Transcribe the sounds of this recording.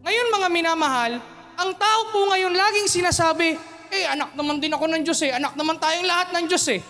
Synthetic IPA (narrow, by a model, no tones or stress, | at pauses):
ŋɐjo̞nmɐŋamɪnaːmɐɦal | ʔɐŋt̪aːʔo̞poŋɐjo̞nlaːɡɪŋsɪnaːsaːbɪ | ʔɛjʔɐnak̚nɐmand̪ɪnɐko̞nɐŋd͡ʒo̞sɛʔɐnak̚nɐmant̪aːjoŋlɐhat̪̚nɐŋd͡ʒo̞sɛ